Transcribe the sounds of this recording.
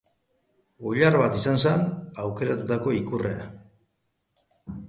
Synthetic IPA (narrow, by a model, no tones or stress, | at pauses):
oʎarβat̪isansanawke̞ɾat̪ut̪ako̞ikurḛa̰